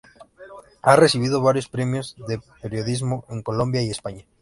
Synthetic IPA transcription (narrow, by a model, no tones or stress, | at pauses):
aresiβ̞ið̞oβ̞aɾjospɾemjozðepeɾjoðizmoʔeŋkolõmbjaiespaɲa